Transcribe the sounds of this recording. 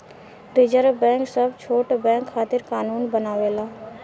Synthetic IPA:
ɾɪd͡ʒəɾbɛ̃ːksəbt͡ʃʰoːʈbɛ̃ːŋkʰːaːt̪ɪɾkaːnuːnbənaːʋeːlaː

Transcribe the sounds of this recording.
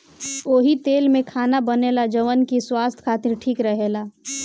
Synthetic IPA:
oːɦit̪eːlmẽkʰaːnabəneːlad͡ʒəʋənkiswaːst̪ʰkʰaːt̪ɪɾʈʰiːkɾəɦelaː

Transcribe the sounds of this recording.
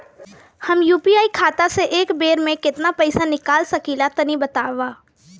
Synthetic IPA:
hɐmjuːpiaːikʰaːt̪aseʔeːkbeːɾmẽkɪt̪napɛɪsanɪkaːlsɐkiːlat̪ɐnibɐt̪aːʋaː

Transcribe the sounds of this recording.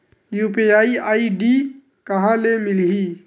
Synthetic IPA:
juːpiːaːiʔaːiɖiː | kɐɦãlemɪliː

